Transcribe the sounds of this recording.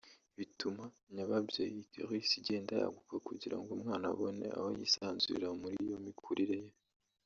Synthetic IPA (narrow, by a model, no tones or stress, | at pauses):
βitʰuma | ɲaβabjoikiʁisiɟe̞ːndaja̰ɡukakuɟiɾa̰ŋɡumŋaːna̰βo̞ne̞̰ʔa̰ho̰jisaːnzuiḭɾamuɾḭijo̞mikʰuɾiɾeje